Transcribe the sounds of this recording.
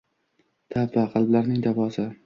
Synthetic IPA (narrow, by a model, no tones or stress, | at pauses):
t̪ʰapvaqʰɑlˠblaɾnɪŋd̪avɒsɪ